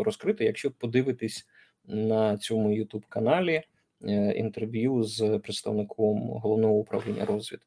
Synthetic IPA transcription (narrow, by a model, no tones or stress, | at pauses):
ɾɔskɾɪt̪ɔjɐkʃt͡ʃɔpɔd̪ɪʋɪt̪ɪsʲ | nɐt͡sʲɔmʊjʊt̪ubkɐnɑlʲi | ḭnt̪erʋʲjuzpɾeɪt̪st̪ɐʋnɪkʰɔmɦɔlˠɔʋnɔɦɔʊpɾɐ̰ʋlʲinʲːɐ̰ɾɔzʋʲid̪